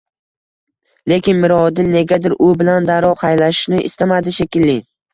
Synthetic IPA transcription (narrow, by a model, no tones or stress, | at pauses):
le̞kʲɪnmɪɾɒd̪ɪlne̞ɡʲad̪ɪɾʔʊbɪland̪aɾɒqʰɑjlaʃɪ̥ʃnɪʔɪ̰st̪amad̪ɪʃekʲɪlːɪ